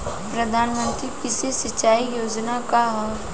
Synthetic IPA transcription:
pɾɐd̪ʱaːnmə̃nt̪ɾikɪsesɐt͡ʃːaːijoːd͡ʒnakaɦɔ

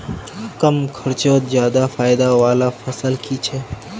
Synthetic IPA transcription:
kəmkʰəɾt͡ʃoːt̪zjaːd̪afaːɪd̪aʋaːlafʰɐsəlkit͡ʃʰɛ

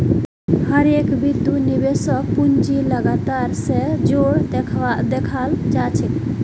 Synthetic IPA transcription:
həɾekbid̪ːunibesək̚punt͡ʃiləɡat̪aɾsed͡ʒoɽd̪ekʰd̪ekʰald͡ʒat͡ʃʰi

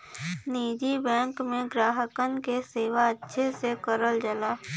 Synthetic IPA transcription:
niːd͡ʒibɛ̃ːŋkmẽɡɾaːɦəkənkeseːʋaətːʃʰesekəɾəld͡ʒəlaː

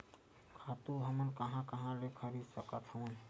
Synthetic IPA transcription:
kʰat̪uɦəmənkəɦãkəɦãlekʰəɾid̪səkət̪ʰhəmən

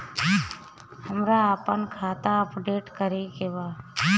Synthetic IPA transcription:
həmɾaaːpənkʰaːt̪aəpɖeːʈkəɾekeʋaː

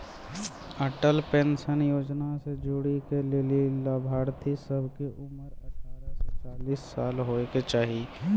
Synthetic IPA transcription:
əʈəlpẽːnʃənjoːd͡ʒnased͡ʒʊɽikelelilaːbʱaːɾt̪ʰisəbʱkeʔʊməɾəəaːɾəst͡ʃaːliːsːaːlɦoːket͡ʃaːɦi

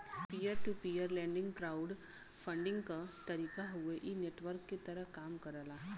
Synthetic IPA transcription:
pijəɾʈupijəɾlɛ̃ɳɖɪ̃ŋɡkɾauɖ | fəɳɖɪ̃ŋɡkat̪əɾiːkaɦoeʔineʈʋəɾkːet̪əɾəkamkəɾala

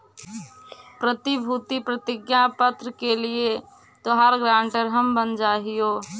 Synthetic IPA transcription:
pɾət̪ibʱut̪ipɾət̪ɪɡjapət̪ɾəkelie | t̪oɦaɾɡɾãːɳʈəɾɦəmbənd͡ʒaːɦijoː

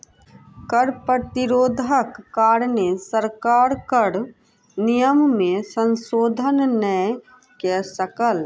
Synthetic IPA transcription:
kəɾpɾət̪ɪɾoːd̪ʱəkːaːɾnesəɾkaːɾkəɾ | nijəmmẽsə̃nsoːd̪ʱənnə | kesəkəl

